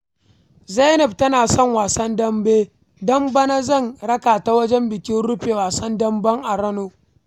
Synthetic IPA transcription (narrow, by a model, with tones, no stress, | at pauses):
za˦jnɐ˨b̚tɐ˦naː˨sɔ˦˨ŋwaː˨sɐ˦ndɐ˦mbeː˦ | dɐ˦mbɐ˦na˦zɐ˦˨ŋɽɐ˦kaː˨ta˦wɐ˦d͡ʒɛ˦mbɪ˨kʲɪ˦nɽʊ˦ɸeː˨waː˨sɐ˦ndɐ˦mbɐ˦ŋʔa˨ɾɐ˦noː˦